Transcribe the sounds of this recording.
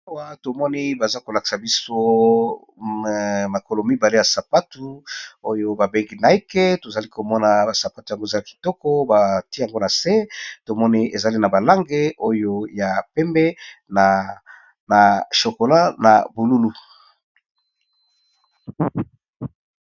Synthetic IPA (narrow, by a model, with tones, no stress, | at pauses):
a˦wa˦to˨mɔ˦ni˦ba˨za˦ko˨la˨ki̥˨sa˨bi˦so˦ | ma˨ko˨lo˨mi˦ba˨le˦ja˨sa˨pa˦tu˦o˦jo˦ba˨be˦ŋɡi˦na˨i˦ke˦to˨za˨li˦ko˨mɔ˦na˨ba˨sa˨pa˦tu˨ja˨ŋɡo˦e˨za˦li˦ki̥˨tɔ˦kɔ˦ba˨ti˦ja˨ŋɡo˦na˨se˦to˨mɔ˦ni˦e˨za˨li˦na˨ba˨la˦ŋɡe˦ʔo˦jo˦ja˨pɛ˦mbɛ˦n˨ | na˨ʃo˨ko˨la˦na̰˨bu˨lu˦lu˦